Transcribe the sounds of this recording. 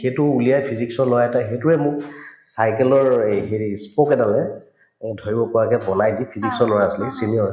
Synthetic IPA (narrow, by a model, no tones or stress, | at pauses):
xetʊulijajpʰiziksɔlɔjaɛtaxetʊɹɛmʊksajkɛlɔɹɦeɹispɔkɛdalɛ | dʱoɹibɔpɔɹakɛbɔnajdipʰiziksɔlɔjaaslisiniɔɹ